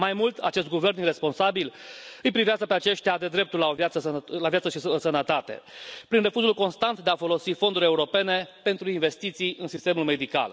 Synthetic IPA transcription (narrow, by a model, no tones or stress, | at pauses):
majmult̪ʰa̰t͡ʃe̞st̪ɡuve̞rnire̞spo̞nsabilɨjpɾiveazəpeat͡ʃe̞ʃt̪ʲad̪e̞d̪ɾe̞p̚t̪ulaovat̪səslavjat̪səʃissənət̪at̪e̞̰pɾinre̞fuzulko̞nst̪ant̪d̪eafo̞lo̞sifo̞nd̪uɾʲe̞uɾo̞pe̞ne̞pe̞nt̪ɾuinve̞st̪it̪sijʔɨnsist̪e̞mulme̞d̪ika̰l